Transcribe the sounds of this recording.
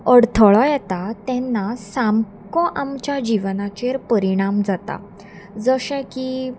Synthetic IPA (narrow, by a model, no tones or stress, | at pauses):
əɽt̪ʰəɭɔjɛt̪at̪ɛ̃nːasam | kɔʔamt͡ɕjad͡ʑiʋnat͡ɕeɾpəɾiɽ̃amd͡zat̪a̰ | d͡zəɕɛ̃ki